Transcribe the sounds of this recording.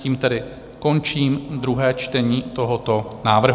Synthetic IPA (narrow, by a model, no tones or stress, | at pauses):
iːmt̪ɛdɪ | ko̞nt͡ʃiːmd̪ɾuɦɛːt͡ʃt̪ɛɲiːt̪o̞ɦot̪o̞naːvr̩ɦ